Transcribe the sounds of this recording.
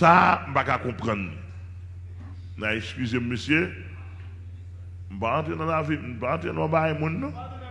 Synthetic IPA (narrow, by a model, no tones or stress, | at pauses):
sam̩pakakɔ̃pʁʌ̃n | naɛkskʲyzem̩mesje | m̩paãt̪ʁenãnavilm̩pãt̪ɾenãbajmũnːã